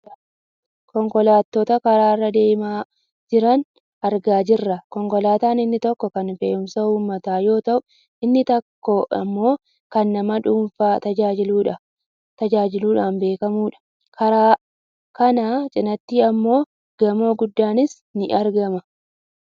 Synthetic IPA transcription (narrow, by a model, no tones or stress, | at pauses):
kɔŋkɔlaːt̪ːot̪ɐkɐɾaːɪrːɐd̪e̞ːmaː | d͡ʒɪɾɐn | ʔɐɾɡaːd͡ʒɪrːɐkɔŋkɔlaːt̪aːnɪnːɪt̪ɔkːɔkɐnfeːʔʊmsɐhuːmːɐt̪aːjo̞ːt̪ɐʔʊ | ɪnːɪt̪ɐkːoʔɐ̰mːo̞ː | kɐnːɐmɐᶑuːnfaːt̪ɐd͡ʒaːd͡ʒɪluːᶑɐ | t̪ɐd͡ʒaːd͡ʒɪluːᶑaːnbe̞ːkɐmuːᶑɐ̥ | kɐɾaː | kɐnat͡ʃʼɪnɐt̪ːiːɐmːo̞ː | ɡ̥ɐmo̞ːɡʊd̪ːaːnɪs | nɪʔɐɾɡɐmɐ